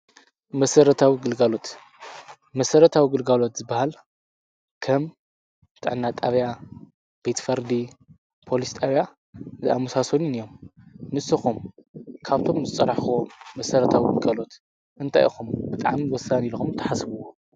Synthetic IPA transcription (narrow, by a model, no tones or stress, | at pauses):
mɐsɐɾɐt̪ʰawiɡɨlɡalo̞t̪ | mɐsɐɾɐt̪ʰawiɡɨlɡalo̞t̪zɨbːahal | kʰɐm | ɨt̪ʼa̰ʕnːat̪ʼaβja | b̥et̪fɐɾd̪i | pʰo̞list̪ʼaβja | zɨamusasonunjo̞mnɨsɐxumkʰaβt̪ʰo̞mzɨt͡sʼɐɾaħwomɐsɐɾɐt̪ʰawiɡɨlɡalo̞t̪ | ʔɨnt̪ʰa̰jʔixumbɨt̪ʼaʕmiwɔsanilxumt̪ʰɐħasɨβuwo